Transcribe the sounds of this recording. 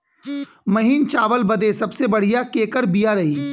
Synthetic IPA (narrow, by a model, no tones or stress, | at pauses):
mɐɦiːnt͡ʃaːʋəlbɐd̪esɐbsebɐɽ̤ijakeːkəɾbijaɾɐɦiː